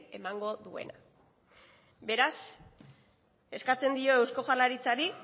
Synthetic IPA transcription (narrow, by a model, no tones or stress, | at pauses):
e̞maŋɡo̞ðue̞̰na | be̞ɾas | e̞skat͡se̞nd̪io̞e̞wsko̞ʝalaɾit͡saɾi